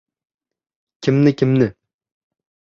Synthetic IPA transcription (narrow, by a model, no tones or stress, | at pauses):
kʲʰɪmnɪkʲʰɪmnɪ